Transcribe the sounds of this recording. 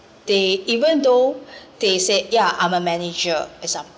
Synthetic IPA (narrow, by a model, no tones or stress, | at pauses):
d̥eivə̃ndod̥esejaʔãjməmɛnid͡ʒəɛsãm